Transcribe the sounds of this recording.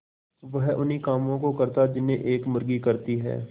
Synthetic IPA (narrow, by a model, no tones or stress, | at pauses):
ʋɐɦʊnɦikaːmõkokɐɾt̪ad͡ʒɪnẽʔeːkmʊɾɡikɐɾt̪iɦɛ̰ː